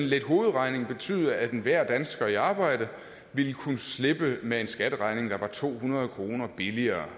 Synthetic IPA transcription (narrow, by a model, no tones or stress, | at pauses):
enled̥ɦo̝ːð̞̩ˠʁɑ̈ɪne̝ŋb̥e̝t͡sʰy̰ːð̞ˠɐæd̥enʋæɐ̰d̥ænsɡ̥ɐiɑ̈ːb̥ɑ̈ɪ̰d̥ə | ʋilkʰunəsle̝b̥əmee̝nsɡ̥æd̥əʁɑ̈ɪne̝ŋd̥ɑ̈ʋɑ̈t͡sʰo̝̰ːhunʁɐð̞ˠkʰʁo̝ːnɐb̥iliɐː